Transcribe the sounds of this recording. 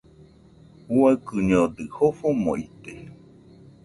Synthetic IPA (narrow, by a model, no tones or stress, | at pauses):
uaɨkɨɲod̪ɨhofomõ̰it̪e